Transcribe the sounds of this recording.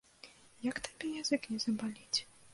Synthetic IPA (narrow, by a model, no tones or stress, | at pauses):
jɐkt̪ab̥ʲɛjazɨknʲɛzɐbalʲit͡sʲ